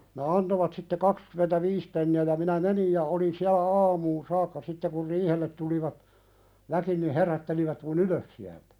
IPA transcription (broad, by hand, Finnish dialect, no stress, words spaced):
ne ɑntoʋɑt sitːe kɑkskymentæʋiːs penːiæ jɑ minæ menij jɑ olin siælæ ɑːmuːn sɑːkːɑ sitːe kur riːhelːet tuliʋɑt ʋæki ni herætːeliʋæt mun yløs siæltæ̥